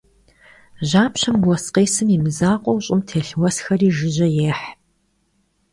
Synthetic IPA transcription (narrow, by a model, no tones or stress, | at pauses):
ʑaːpɕɐmwɔsqeːsɨmiːmɨzaːqʷʼɔwɕʼɪmtʰeːɬwɐsxɐriːʒɪʒɐjeːħ